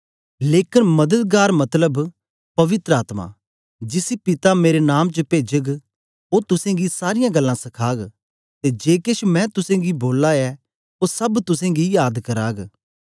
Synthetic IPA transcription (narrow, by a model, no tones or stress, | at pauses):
leːkɪnmɐd̪əd̪̚ɡaːɾmɐt̪ləb | pɐʋɪt̪ɾəaːt̪ma̰ | d͡ʒɪsipɪt̪ameːɾenaːmt͡ʃəpeːd͡ʒəɡ | oːt̪ʊsẽɡisaːɾɪjãɡɐlːãsɐkʰaːɡ | t̪ed͡ʒeːkɪʃmɛ̃t̪ʊsẽɡiboːlːaɛ | oːsɐbt̪ʊsẽɡijaːd̪kɐɾaːɡ